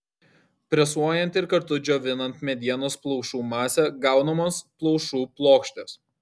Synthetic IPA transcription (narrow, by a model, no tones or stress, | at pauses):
pʲɾʲɛsuɔjɛnt̪ɪɾkɐɾt̪ʊd͡ʒʲoːʋʲɪnɐnt̪mʲɛd̪ʲiɛnoːsplˠɔʊʃuːmɑːsʲɛɡɑˑʊnɐmoːsplˠɔʊʃuːplˠoːkʃʲt̪ʲeːs